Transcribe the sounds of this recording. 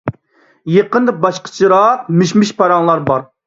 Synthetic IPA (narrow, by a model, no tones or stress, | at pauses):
jeqənd̪ɨbɑʃqʰə̥t͡ʃʰiɾɑqmɪʃmɪʃpʰɑɾɑŋlˠɑɾbɑɾ